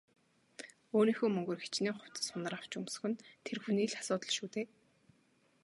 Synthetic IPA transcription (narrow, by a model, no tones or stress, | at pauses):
oːniːxoːmɵŋɡɵ̆rxet͡ɕniːŋχʊw̥ʲt̪ə̥̆sʊnə̆raw̥t͡ɕɵms̆xɘ̆nt̪ʰerxuniːɮḁsʊːt̪ə̆ɮʃuːt̪eː